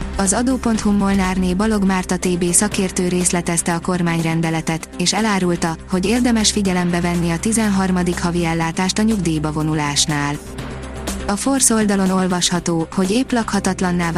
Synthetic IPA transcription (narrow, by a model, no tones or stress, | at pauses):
ɒzɒd̪oːpo̞nt̪humːo̞lnaːrneːbɒlo̞ɡmaːrt̪ɒt̪eːbeːsɒkeːrt̪øːɾeːslɛt̪ɛst̪ɛɒko̞rmaːɲrɛnd̪ɛlɛt̪ɛt̪eːʃɛlaːɾult̪ɒho̞ɟeːrd̪ɛmɛʃfiɟɛlɛmbɛvɛnːiɒt̪izɛnɦɒrmɒd̪ikhɒviɛlːaːt̪aːʃt̪ɒɲuɡd̪iːjbɒvo̞nulaːʃnaːl | ɒfo̞rso̞ld̪ɒlo̞no̞lvɒʃhɒt̪oːho̞ɟeːplɒkhɒt̪ɒt̪lɒnːaː